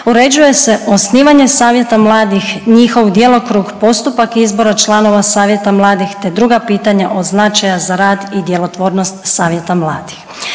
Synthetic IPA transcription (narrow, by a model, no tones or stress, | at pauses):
uɾe̞d͡ʑuje̞se̞ʔo̞sniːʋaɲe̞saːʋje̞t̪amlˠaːd̪ixɲixo̞ʋd̪je̞lo̞kɾuːɡpo̞st̪upakizbo̞ɾat͡ʃlˠano̞ʋasaːʋje̞t̪amlˠaːd̪ixt̪e̞d̪ɾuɡapiːt̪aɲaʔo̞d̪znat͡ʃajazaɾaːd̪id̪je̞lˠo̞t̪ʋoːɾnost̪saːʋje̞t̪amlˠaːd̪i̥x